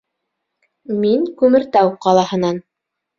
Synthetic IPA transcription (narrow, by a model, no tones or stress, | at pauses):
miŋkʉmɘ̆ɾt̪æwqɑlˠɑhɤ̆nɑn